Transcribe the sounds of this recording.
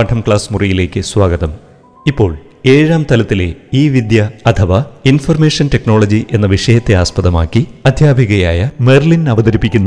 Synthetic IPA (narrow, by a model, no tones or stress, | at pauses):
ɐʈʰɐmkɭaːsmurijile̞ːkːɨswaːɡɐðɐm | ipːo̞ːɭ | e̞ːɻaːmt̪ɐlɐt̪ːile̞̰iːʋid̪jɐɐt̪ʰɐʋɐinfɐrmeːʂɐntekno̞ːɭɐd͡ʑiʔe̞nːɐʋiʂɐjɐt̪ːe̞aːspɐðɐmaːkːiɐd̪ʱjaːbʱiɣɐjaːjɐmerlinɐʋɐd̪ɐɾipːikʲːunːɐ